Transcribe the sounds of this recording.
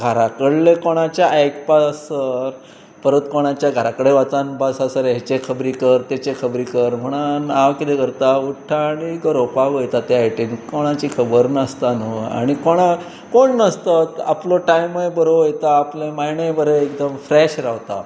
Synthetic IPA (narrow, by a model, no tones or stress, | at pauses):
ɡʱaɾakəɽlekoɽ̃at͡ɕjaʔajkpasəɾ | pəɾət̪koɽ̃at͡ɕjaɡʱaɾakəɽeʋat͡sanbasasəɾet͡ɕekʰəbɾikəɾt̪et͡ɕekʰəbɾikəɾm̤əɽ̃anaʋkit̪ekəɾt̪auʈʰːaːɽ̃iɡəɾopaʋəjt̪at̪eajʈenkoɽ̃at͡ɕiːkʰəbəɾnəst̪anəa̰ɽ̃ikoɽ̃a | koɳnəst̪at̪a̰ploʈajməjbəɾojet̪aːplemaɦiɳəjbəɾəekd̪əmfɾɛɕɾaʋt̪a̰